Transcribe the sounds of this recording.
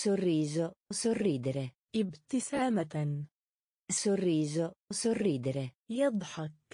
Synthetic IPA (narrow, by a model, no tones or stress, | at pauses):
sʊrːiːzosʊrːiːd̪ɾe | ʔɪbt̪ɪsaːmat | sʊrːiːʒosʊrːiːd̪ɾejɑd̪ˤħɑk̚